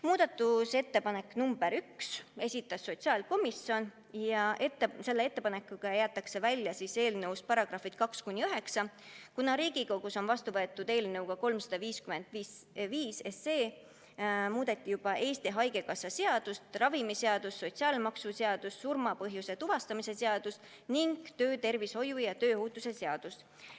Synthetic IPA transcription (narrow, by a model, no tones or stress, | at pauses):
muːd̪̥ɑt̪ːˑuse̞t̪ːe̞pɑne̞kːˑnumb̥e̞ɾykse̞sʲit̪ːˑɑsːo̞t̪siɑːlko̞misʲjo̞n | jɑʔet̪ːse̞lːee̞t̪ːe̞pɑne̞kːˑuɡ̥ɑejæːt̪ˑːɑkse̞vælʲjɑsise̞ːlnɤwspɑɾɑɡ̥rɑfid̪̥kɑkskunʲːiøɦe̞ksɑ | kunɑɾiːɡ̥ikoɡ̥uso̞nvɑst̪uvɤe̞t̪ːˑud̪e̞ːlnɤ̞wɡ̥ɑko̞lmsɑd̪̥ɑviːskyme̞nd̪̥viːsviːse̞se̞ː | muːd̪̥e̞t̪ːijub̥ɑʔe̞ːst̪iɦɑjɡe̞kɑsːɑse̞ɑd̪̥ust̪rɑvimiseɑd̪usːo̞t̪ʲsiɑːlmɑksuseɑd̪̥usːurmɑpɤɦjuse̞t̪uvɑst̪ɑmise̞seɑd̪̥ust̪ | niŋɡ̥t̪ø̞ːt̪e̞rviso̞jujɑt̪øːhuːt̪ːˑuse̞se̞ɑd̪̥us